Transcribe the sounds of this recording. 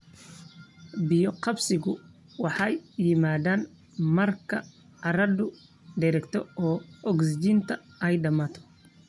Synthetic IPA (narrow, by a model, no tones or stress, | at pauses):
bɪjɔqɑbsɪɣʊ | wɑħɑjjɪmaːðaːn | mɐrkʰɐ̰ | ʕɑɾɐdʊ | ɖɛɾɛkt̪ʰɔɔːʔɔɡsɪd͡ʒiːnt̪ʰɐɛjɖɐmaːt̪ʰɔ̥